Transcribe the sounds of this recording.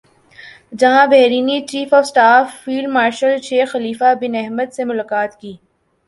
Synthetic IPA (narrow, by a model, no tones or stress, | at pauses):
d͡ʒɐɦãbɛɦɾiːnit͡ʃiːfɔːfsʈaːfːiːlɖmaːɾʃəlʃeːxɐliːfabɪnɛɦməd̪semʊlaːkaːt̪kiː